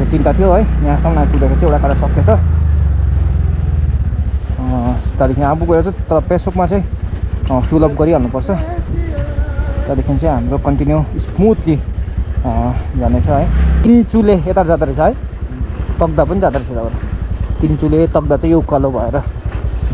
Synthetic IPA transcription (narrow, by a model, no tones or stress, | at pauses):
t̪int̪at̪ʰijoɦʌjjãsamnat̪ud̪ʌkʰeʌ̃ewʈakaɾasʌket͡sʰʌ | t̪ʌɾikʰiniabuɡʌeɾat͡sʌ̃t̪ʌɾʌpesokmat͡sʌ̃ĩ | sulʌbɡʌɾiɦʌlnupʌrt͡sʰʌ | t̪ʌd̪ikʰint͡sʌ̃ĩɦamɾokʌnʈ̪injuismut̪li | ɡʱʌnet͡sʰʌɦʌjt̪int͡suleet̪aɾd͡zad̪aɾit͡sʰaɦj | t̪ʌk̚d̪apʌnid͡zad̪aɾised̪abʌnt̪int͡sulet̪ʌk̚d̪at͡sʌ̃ĩjokalobʱʌeɾʌ